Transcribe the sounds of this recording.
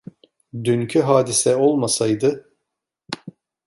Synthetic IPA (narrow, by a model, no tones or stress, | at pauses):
d̪yncʰyɦaːd̪isɛo̞lˠmasajd̪ɯ